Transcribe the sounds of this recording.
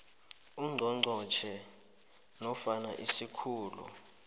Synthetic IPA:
uŋ͡ǀʱɔŋ͡ǀʱɔt͡ʃʰɛ | nɔfana̰ʔisikʰuːlṵ

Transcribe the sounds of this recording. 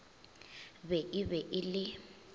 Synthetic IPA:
bɛʔɪβɛʔɪlɪ

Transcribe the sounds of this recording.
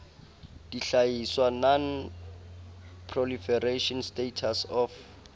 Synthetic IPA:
d̥iɬajiswanɔn | pʰrɔlifɛreʃɔnstetʰasɔf

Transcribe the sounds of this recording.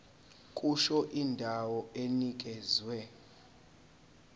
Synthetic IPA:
kʼuʃɔʔindʱawɔenik̬ʼɛzwɛ

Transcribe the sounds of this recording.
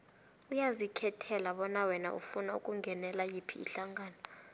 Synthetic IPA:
ujazikʰɛtʰɛlaɓɔnawɛnaʔṵfunaṵkʼuŋɡʱɛnɛlajipʰiːɬaŋɡaːnɔ

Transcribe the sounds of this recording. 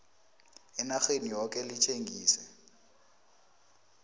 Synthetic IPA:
ɪnaχenijɔkʼɛlɪt͡ʃʰʼeŋɡiːsɛ

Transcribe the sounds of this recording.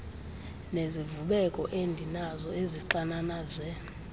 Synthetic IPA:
nezivuɓɛkʼɔʔendʱinazɔeziǃananazɛ

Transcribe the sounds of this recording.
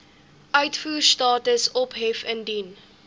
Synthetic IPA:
ʔœɥtfuːrstɑːtəsɔpɦɛfəndin

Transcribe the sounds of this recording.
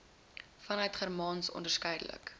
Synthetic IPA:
fɐnœɥtχærmɑːnsɔ̰ndərskɛjdə̰lə̰k

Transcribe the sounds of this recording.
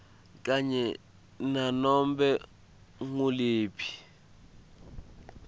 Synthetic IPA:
kʼaɲɛ | nanɔmbɛ | ŋuleːpʰi̥

